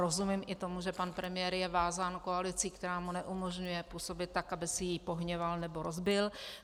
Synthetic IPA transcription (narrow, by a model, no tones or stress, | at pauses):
ɾozumɪmʔɪt̪o̞muʒɛpanpɾɛmɪjɛːɾjɛvaːzaːnkoalɪt͡sikt̪ɛɾaːmunɛʔumoʒɲujɛpuːso̞bɪt̪̚ːakabɪsɪjipoɦɲɛvalnɛboɾozbɪl